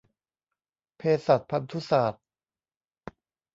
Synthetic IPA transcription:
pʰeː˧sa˨˩t̪̚pʰa˧nt̪ʰu˦˥saː˨˩t̪̚

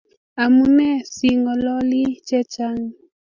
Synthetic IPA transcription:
a˨mu˦nɛ˦si˨ŋɔ˨lɔ˦li˦t͡ʃɛ˦t͡ʃa˦ŋ

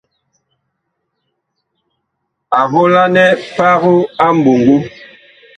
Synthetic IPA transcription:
a˨βo˦la˦nɛ˦pa˦ɣu˦a˦mbu˨ŋɡu˦

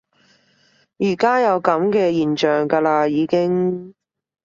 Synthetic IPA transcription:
jiː˨˩kaː˥jɐ˨˧wkɐ˨˥mkɛː˧jiː˨˩nt͡ʃœː˨ŋkaː˧laː˧jiː˨˧kɪ˥ŋ

